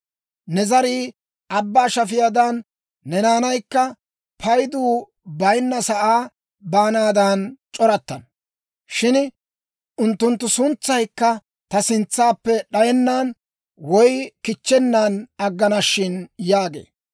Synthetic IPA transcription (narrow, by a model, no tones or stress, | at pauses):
nɛzɐɾiː | ʔɐbːaːʃɐfɪjaːd̪ɐnː | ɛnaːnɐjkːɐ | pʰɐjd̪uː | bɐjnːɐsɐʔaː | baːnaːd̪ɐnt͡ʃʼɔɾɐt̪ːɐn | ʃɪn | ʔʊnt̪ːʊnt̪ːʊsʊnt͡sːɐjkːɐ | t̪ɐsɪnt͡sːaːpːɛɗɐjɛnːaːn | wɔjkɪt͡ʃːɛnːaːnɐɡːɐnɐʃːɪnjaːɡḛː